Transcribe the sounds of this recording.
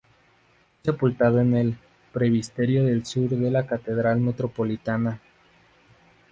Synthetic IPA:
ese̞pult̪aðoene̞l | pɾe̞βist̪eɾjo̞ðe̞lsuɾðe̞lakat̪e̞ðɾalme̞t̪ɾo̞po̞lit̪ana

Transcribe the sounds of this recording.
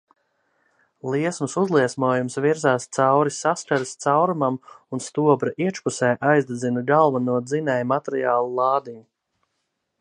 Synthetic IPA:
lˠiɛsmusuzlˠiɛsmuɔjumsviɾzaːst̪sawɾisaskaɾist̪sawɾumamunst̪uɔbɾaʔiɛt͡ʃpusɛjʔajzd̪ɛd̪zinaɡalˠvanuɔd̪zinɛjmat̪ɾiaːlˠulˠɑːd̪iɲu

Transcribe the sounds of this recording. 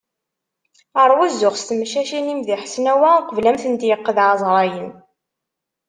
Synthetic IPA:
əɾˤwuzːʊχst̪mʃæʃinimðiħə̥snæwæqəvlæmθənt̪jəqːəðʕɑzˤɾˤɑjən

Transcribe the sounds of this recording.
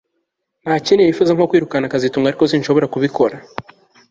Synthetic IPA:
n̥hacinejifuzaŋkokwiːɾukanakazituːŋɡaɾiko̞sinʃo̞βo̞ɾakuβikʰo̞ɾa

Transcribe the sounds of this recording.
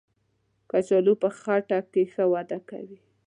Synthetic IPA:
kat͡ʃalupəxɑɾʈɑk̚kexəwad̪aka̰wi

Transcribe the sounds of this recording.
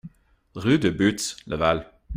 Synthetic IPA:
ʁyd̪əbyt̪slʔəval

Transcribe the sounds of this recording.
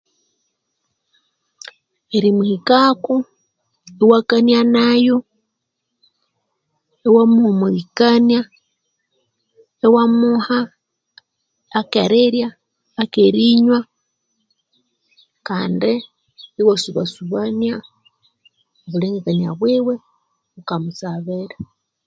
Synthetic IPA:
eɾimuhikako | ewakanjanajo | ewamumuβikanja | ewamuha | keɾeɾjaː | keɾiɲwa | kaːndi | iwasuβa̰suβanja | βuleŋɡekanja̰βwiwe | βukamusaβeɾa

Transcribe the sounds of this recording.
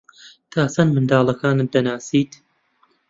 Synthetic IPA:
t̪ʰaːsɐnmɨnd̪aːlˠɐkaːnɨd̪ɐnaːsiːt̪

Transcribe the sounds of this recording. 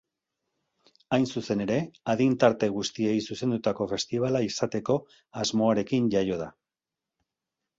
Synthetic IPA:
ajnsuse̞ne̞ɾe̞aðint̪aɾt̪e̞ɣ̞ust̪ie̞isuse̞nd̪ut̪ako̞fe̞st̪iβ̞alaisat̪e̞ko̞ | azmo̞aɾe̞kinʝajo̞ð̞a

